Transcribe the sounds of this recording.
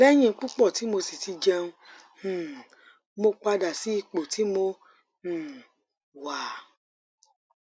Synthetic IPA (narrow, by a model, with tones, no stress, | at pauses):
lɛ˦j̃ĩ˧˦k͡pu˦k͡pɔ˦˨ti˨˦mo˧si˨ti˧d͡ʒɛ̃˧ũ˧˨ | mo˧k͡pa˧da˨si˦i˦˧˨k͡po˨ti˨˦mõ˧˨ | wa˨